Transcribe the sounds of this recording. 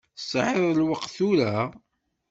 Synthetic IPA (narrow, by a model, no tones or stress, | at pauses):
sˤʕeðˤəlwəqθuɾæ